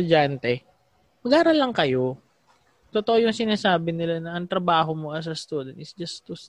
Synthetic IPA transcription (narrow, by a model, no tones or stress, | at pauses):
ʊd͡ʒant̪ɛ | mɐɡaːɾɐlːɐŋkɐjo̞ | t̪ot̪oʔo̞jʊŋsɪnaːsaːbɪnɪlanɐʔɐŋt̪ɾɐbaːɦo̞moʔɐs̬ɐst̪ud̪ɐnɪsd͡ʒɐst̪ʊs